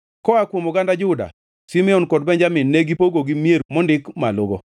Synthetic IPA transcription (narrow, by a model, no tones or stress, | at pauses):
kɔakwomʊɡandad͡ʒʊda̰ | simɪɔnkɔd̚bɛɲd͡ʒamɪnːeɡipoɡoɡimjeɾmɔndɪkmaloɡo̰